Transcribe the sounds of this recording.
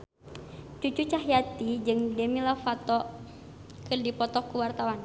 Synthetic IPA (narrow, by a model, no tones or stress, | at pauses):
t͡ʃut͡ʃut͡ʃaɦjat̪id͡ʒɨŋdemilafat̪ɔ | kɨrdipɔt̪ɔkuwart̪awan